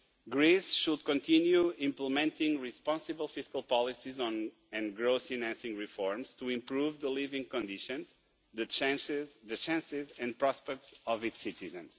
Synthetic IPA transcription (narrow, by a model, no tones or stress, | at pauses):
ɡɹisʃud̪kɔ̃nt̪ĩnjuĩmpləmɛ̃nt̪ĩŋɡɹispɑ̃nsɨbəlˠfiskalˠpɔlˠisizɔ̃n | ɨ̃nɡɹoʊsinæ̃nsĩŋɹifɔɹmz̥t̪uĩmpɹuvðəlivĩŋkɔ̃nd̪iʃɔ̃nz | ðɨt͡ʃzðɨt͡ʃæ̃nsɪzɛ̃nd̚pɹɔspɛk̚tsɔvitsit̪izɨ̃ns